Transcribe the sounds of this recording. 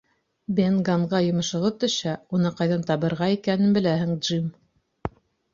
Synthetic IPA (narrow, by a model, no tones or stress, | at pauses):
benɡaɴʁɑjŏmɤ̆ʃɤ̆ʁɤt̪ːɵ̆ʃæunɤqɑjðɑnt̪ɑβɤ̆ɾʁɑikænɘnbɘ̆læɦɘ̆ŋd̪ʒim